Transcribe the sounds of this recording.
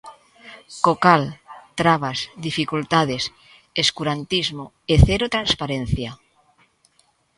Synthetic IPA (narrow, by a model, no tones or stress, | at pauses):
kokalt̪ɾaβasd̪ifikult̪aðes | eskuɾant̪izmo | eθeɾot̪ɾanspaɾen̟θja